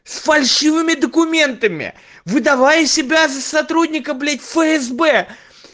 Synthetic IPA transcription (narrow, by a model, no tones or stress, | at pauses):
sfɐlʲʂɨvɨmʲɪd̪əkʊmʲe̞nt̪əmʲɪ̰ | vɨd̪ɐvajəsʲɪbʲazəsɐt̪ɾud̪ʲnʲɪkəblʲetʲfəɛzbɛ